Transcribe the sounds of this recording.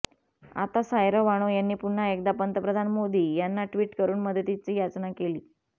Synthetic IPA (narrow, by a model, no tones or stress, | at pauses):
a̰t̪asajɾəʋaɽ̃ojanːiːpuɳ̤aek̚d̪apənt̪əpɾəd̪ʱanmod̪iːjanːaʈʋiːʈkəɾuːnməd̪ʱət̪it͡siːjat͡snakeliː